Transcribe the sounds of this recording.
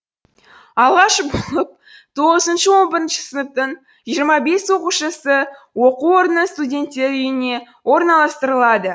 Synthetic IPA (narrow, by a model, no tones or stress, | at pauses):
ɑlˠʁɑʃbolˠəp̚ | t̪ʰo̞ʁəzənʃəwo̞nbəɾənʃə̥sənəp̚t̪əɴ | ʒijəɾmɑbe̞swo̞quʃəsə | wo̞quo̞ɾənəst̪udʲe̞nt̪ːe̞ɾʏjɪne̞ | wo̞ɾnɑlˠɑst̪əɾəlˠɑd̪ə